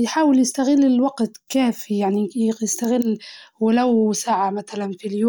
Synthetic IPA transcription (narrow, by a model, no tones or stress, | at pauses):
jħaːwɪljɪst̪aɣɪlːɪlwaɡt̪kaːfijaʕnijɪst̪aɣɪlːwɪlawsaːʕamat̪alanfiljoː